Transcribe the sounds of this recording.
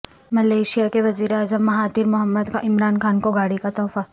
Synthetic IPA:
mɐleːʃijakeʋɐziːɾeaːzəmːɐɦaːd̪iɾmʊɦəmːəd̪kaʔɪmɾaːnxʰaːnkoɡaːɽikat̪ɔːfa

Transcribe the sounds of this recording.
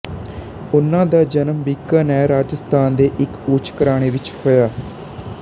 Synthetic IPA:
ʊnãːd̪aːd͡ʒənəmbikːaːnɛːɾaːd͡ʒəst̪ʰaːnd̪eːʔɪkʊːt͡ʃʰkəɾaːɽ̃eːʋɪt͡ʃhoːjaː

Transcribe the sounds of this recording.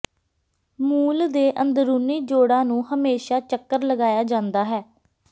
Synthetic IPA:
muːld̪eːʔənd̪ɾuːniːd͡ʒoːɽãːnũːhəmeːʃaːt͡ʃəkːəɾləɡaːjaːd͡ʒãːnd̪aːɦɛː

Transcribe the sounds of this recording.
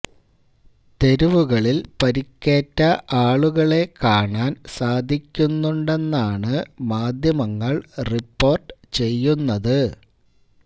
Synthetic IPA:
t̪e̞ɾuʋuɣɐɭilpɐɾikʲːeːtːɐʔaːɭuɣɐɭe̞kaːɳaːnsaːd̪ʱikʲːunːuɳɖe̞nːaːɳɨmaːd̪ʱjɐmɐŋːɐɭripːo̞ːrʈɨt͡ɕe̞jːunːɐðɨ

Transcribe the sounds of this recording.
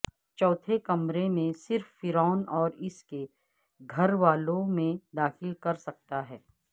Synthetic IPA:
t͡ʃɔːt̪ʰekɐmɾemẽsɪɾfːɪɾɔːnɔːɾɪske | ɡʱɐɾʋaːlõmẽd̪aːxɪlkɐɾsɐk̚t̪aɦɛː

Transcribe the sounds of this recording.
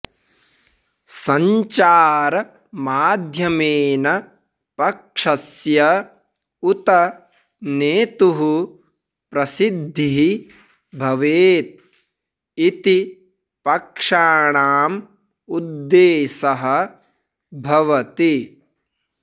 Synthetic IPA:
sɐɲt͡ʃaːɾɐ | maːd̪ʱjɐmeːnɐ | pɐkʂɐsjɐ | ut̪ɐ | neːt̪uɦu | pɾɐsid̪ʱːiɦi | bʱɐʋeːt̪̚ | it̪i | pɐkʂaːɳaːm | ud̪ːeːsɐɦɐ̆ | bʱɐʋɐt̪i

